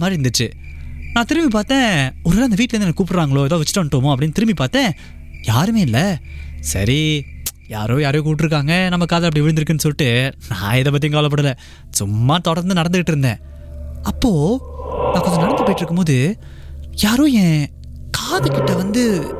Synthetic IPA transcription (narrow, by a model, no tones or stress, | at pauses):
ɐmaːd̪ɾɪɾɯnd̪ɯt͡ʃːɯ | nãːt̪ɪɾɯmbip̬aːɾt̪ẽːɔɾɯlːɐnd̪ɐʋiːʈːlɐɾɯnːnːkːuːpʈɾaːŋɡɐɭoːɛðoːʋɛt͡ʃːɪ̥ʈːɐʋɐɳʈːɯʋɐmõːɐp̬ːɐɽɪnːt̪ɪɾɯmbipaːɾt̪ẽː | jaːɾɯmeːɪlːɐsɐ̰ɾi | ja̰ːɾõːjaːɾoːkuːʈ̬ːɪɾɯkːaːŋɡɐnɐmːɐkaːðɐlɐp̬ːɐɽiʋɪɻɯndɪɾɯkːɐnːɯsɔlːɪʈːɯnã̰ːɛðɐp̬ːɐt̪ːijʊ̃kaːɐlɐp̬ːɐɽɯlɛ | sʊmːaːt̪ɔɽɐɾnd̪ɯnɐɽɐnd̪ɯkɪʈːɾɯnd̪ḛ̃ː | ɐpːoːnaːkːɔɲd͡ʒɐnɐɽɐnd̪ɯpoːjʈːɪɾɯkːɯmpoːðɯ | jaːɾõːjẽː | kaːðɯkːɪʈːɐʋɐnd̪ɯ